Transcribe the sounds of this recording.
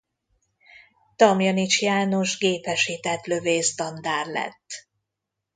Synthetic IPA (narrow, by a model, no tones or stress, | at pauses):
t̪ɒmjɒnit͡ʃjaːno̞ʒɡeːpɛʃiːt̪ɛt̪løveːst̪ɒnd̪aːrlɛ̰t̪ː